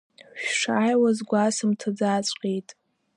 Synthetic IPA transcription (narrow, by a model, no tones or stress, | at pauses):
ħᶣʂaːjwazɡʷasɨmtʰad͡zaːt͡ɕʷʼqʲʼejtʼ